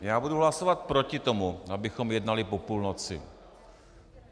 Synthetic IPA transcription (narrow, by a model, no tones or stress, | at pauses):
jaːbuduɦlasovat̪pɾo̞cɪt̪o̞muʔabɪxo̞mjɛdnalɪpo̞puːlnot͡sɪ̰